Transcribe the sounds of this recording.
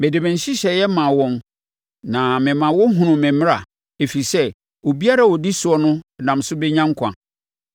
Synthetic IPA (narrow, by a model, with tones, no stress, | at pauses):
mɛ̃˨dɪ˨mɪ̃˨n̩˨ɕɪ˦ɕɛ˨jɛ˦mã˨wɔ̃˦m | nã˨mɪ̃˨mã˨wɔ˦ɦũ˨nʊ̃˨mɛ̃˨mɪ̃˦ɾa˨ | e˨fi˨i˨sɛ˦ | wo˨bi˦a˦ɾa˦˨wɔ˨di˦sʊ˨˦ɔ˦nʊ̃˦˨nã˨m˨sʊ˦be˦ɲã˦ŋ˦kʰã̰˨